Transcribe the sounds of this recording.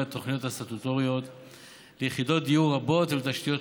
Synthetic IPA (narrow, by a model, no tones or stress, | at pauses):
at̪o̞χnijo̞t̪hasat̪ut̪o̞ʁijo̞t̪ | lejeχido̞t̚d̪ijuʁabo̞t̪velt̪aʃt̪ijo̞